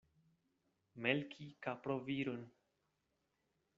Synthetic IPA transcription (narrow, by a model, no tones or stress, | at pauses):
melkʰikapɾoviɾun